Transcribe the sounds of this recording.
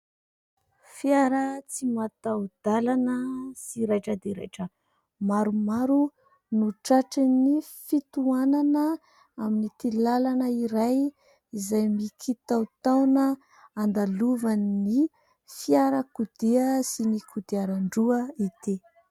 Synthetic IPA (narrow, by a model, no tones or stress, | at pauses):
fiaɾət͡simat̪awd̪̥alanəsiɾajʈ͡ʂəd̪eɾḛjʈ͡ʂə | maɾumaɾu | nuʈ͡ʂaʈ͡ʂinifit̪uananə | aminit̪ilalanəiɾaj | izajmikʰit̪awt̪awnə | and̪aluvanni | fiaɾəkud̪eəsinikud̪eaɾaɳɖ͡ʐuəit̪e